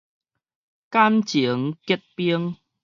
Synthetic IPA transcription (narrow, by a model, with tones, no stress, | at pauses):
ka˦mt͡ɕi˨˩˦ə˦ŋki˦˥t̚pi˦əŋ